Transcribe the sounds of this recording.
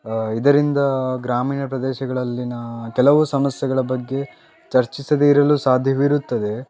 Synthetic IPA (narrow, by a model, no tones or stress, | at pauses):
id̪ɐɾind̪ɐɡɾaːmiːɳɐpɾɐd̪ɛːʃɐɡɐɭɐlːinɐkɛlɐʋusɐmɐsjɛɡɐɭɐbɐɡːe̞ | t͡ʃɐɾt͡ʃisɐd̪eiɾɐlusaːd̪ʱjɐʋiɾut̪ːɐd̪e̞